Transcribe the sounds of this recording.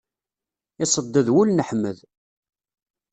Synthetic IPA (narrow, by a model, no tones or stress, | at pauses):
ɪsˤəd̪ːəðwulnəħmːə̰ð